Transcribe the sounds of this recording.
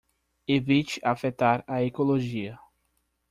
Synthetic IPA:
evit͡ʃɪʔafet̪aɾɐekoloʒiɐ

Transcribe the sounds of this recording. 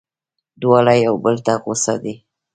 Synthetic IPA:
d̪wɑlajawbəlt̪aqosa̰d̪i

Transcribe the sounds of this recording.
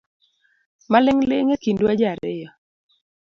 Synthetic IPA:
malɪŋlɪŋekinduad͡ʒaɾɪ̰jɔ

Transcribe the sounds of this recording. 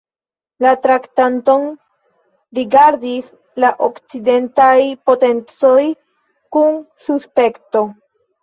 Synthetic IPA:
latɾaktanto̞n | ɾiɡaɾdis | laʔokt͡side̞ntajpo̞te̞nt͡so̞j | kunsuspe̞kto̞

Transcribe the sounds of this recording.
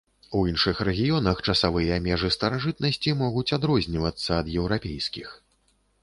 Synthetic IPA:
uinʂɨxɾɛɣʲijɔnɐxt͡ʂɐsavɨjɐamʲɛʐɨst̪ɐɾaʐɨt̪̚nɐsʲt͡sʲimɔɣut͡sʲad̪ɾɔzʲnʲivɐt̪sːɐːd̪jɛwɾapʲejskʲix

